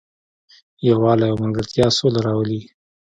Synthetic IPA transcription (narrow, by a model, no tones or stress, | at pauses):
jawɑlajawmaŋɡəɾt̪jɑsolaɾɑwəli